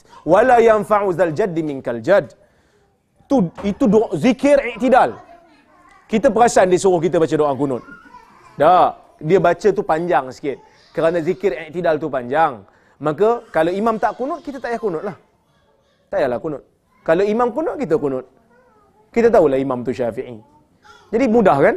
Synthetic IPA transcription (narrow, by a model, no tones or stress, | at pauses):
walajanfaʕuzald͡ʒadimɪŋkald͡ʒad | t̪uit̪udozikɪɾiʔt̪idal | kit̪əp̬əɾasaandisuɾʊhkit̪əbat͡ʃədoʔakunʊt̪̚ | da | diəbat͡ʃət̪upaɲd͡ʒaŋskɪt̪̚ | kəɾanazikɪɾiʔk̚t̪idalt̪upaɲd͡ʒaŋ | makəkalowimamt̪aʔkunʊt̪̚kit̪ət̪aʔjahkunʊt̪̚lah | t̪ajahlakunʊt̪̚ | kalowimamkunʊt̪̚kit̪əkunʊt̪̚ | kit̪ət̪̬aulahimamt̪uʃafiʕḭ | d͡ʒadimudahkan